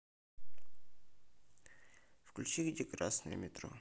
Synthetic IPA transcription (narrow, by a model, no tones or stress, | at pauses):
fklʲʉt͡ɕiɡdʲekɾasnəjə̰mʲɪt̪ɾo̰